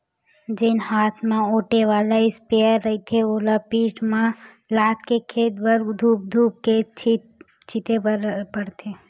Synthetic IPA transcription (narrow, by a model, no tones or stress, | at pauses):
d͡ʒɪnhaːt̪ʰmẽoːʈeʋaːlaɪspeəɾːəɦit̪ʰeoːlapiːt͡ʃmã | laːt̪ʰkekʰeːd̪bəɾd̪ʱuːp̚d̪ʱuːp̚ket͡ʃi | t͡ʃit̪eɾpəɽt̪ʰe